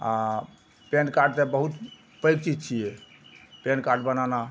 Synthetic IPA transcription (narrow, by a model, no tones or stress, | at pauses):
a | penkaɾɖt̪ebəɦut̪ | pəjkt͡ʃid͡ʒt͡ʃʰijɛ | penkaɾɖbənana